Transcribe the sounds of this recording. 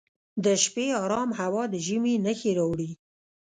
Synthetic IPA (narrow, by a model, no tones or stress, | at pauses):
d̪əʃpeɑɾɑmhawɑd̪əʒiminəxeɾawɽi